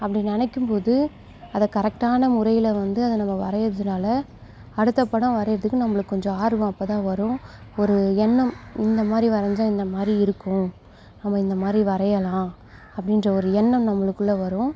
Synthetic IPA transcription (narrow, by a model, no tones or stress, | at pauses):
ɐpːɐɽɪnːɛnɛkːɯmpoːðɯ | ɐðɐkɐɾɛk̚ʈaːnɐmʊɾɐjɪlɐʋɐnd̪ɯɐðɐnɐmːɐʋɐɾɐjɐɾɐðɯnaːlɐ | ɐɽɯt̪ːɐpːɐɽɐ̃ʋɐɾɐjɪɾɐðɯkːɯnɐmːɐɭɯkːɯkːɔɲd͡ʒɔ̃aːɾʋɐ̃ɐpːɐt̪ãːʋɐɾʊ̃ɔɾɯɛɳːɐmɪnd̪ɐmaːd̪ɾiʋɐɾɐɲd͡ʒãːɪnd̪ɐmaːd̪ɾiɪɾɯkːʊ̃ | nɐmːɐɪnd̪ɐmaːd̪ɾiʋɐɾɐjɐlãː | ɐpːɐɽɪndrɐɔɾɯɛɳːɐmnɐmːɐɭɯkːɯɭːɐʋɐɾʊ̃